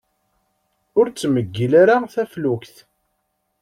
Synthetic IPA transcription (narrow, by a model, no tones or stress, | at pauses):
ʊɾt͡sːməɡːilaɾaθæfluçθ